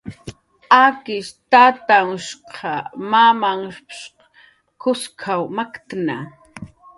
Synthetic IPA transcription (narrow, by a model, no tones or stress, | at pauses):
akɪʃt̪at̪aŋʊʃqʰɑmamaŋʃpʃ | kʊskʰawmakt̪na